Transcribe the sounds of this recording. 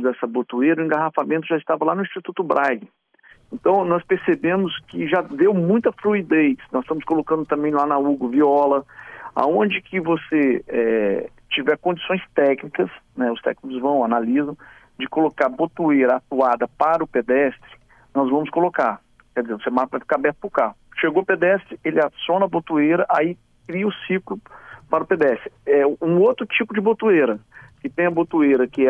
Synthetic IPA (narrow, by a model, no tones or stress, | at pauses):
d̪ɛsɐbot̪uejɾɐʊẽŋɡaɦafamẽt̪ʊʒaist̪avɐlanʊiʃt͡ʃit̪ut̪ʊbɾʔajɡɪ | ẽnt̪ɐ̃w̃nɔspeɾsebẽmʊskɪʒad̪ewmũj̃t̪ɐfɾuid̪ejsnɔz̥st̪ɐ̃mʊskolokɐ̃nd̪ʊt̪ɐ̃mbẽj̃lanɐuɡʊviɔlɐa̰õd͡ʒɪkʰɪvoseɛ | t͡ʃivɛɾkõd͡ʒisõj̃st̪ɛknikɐsnɛʊst̪ɛ̰knikʊzvɐ̃w̃analizɐ̃w̃ | d͡ʒɪkolokaɾbot̪ueɾɐat̪uad̪ɐpaɾʊped̪ɛst̪ɾɪ̥ | nɔzvɐ̃mʊskolokaɾ | kɛd͡ʒɪzevosemaɾɐpɾafikabɛɾt̪ʊ̥pɾʊkahʊʃeɡoped̪ɛst̪ɾɪelɪasõnɐbot̪ueɾɐʔai | kɾiɐʊsiklʊpaɾʊped̪ɛst̪ɾɪɛũot̪ɾʊt͡ʃipʊd͡ʒɪbot̪ueɾɐkɪt̪ẽj̃ɐbot̪ueɾɐkɪɛ